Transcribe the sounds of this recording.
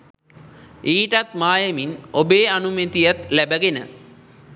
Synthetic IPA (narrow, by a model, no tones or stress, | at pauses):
iːʈat̪maːjəminobeːanumet̪ijat̪læbəɡenə̰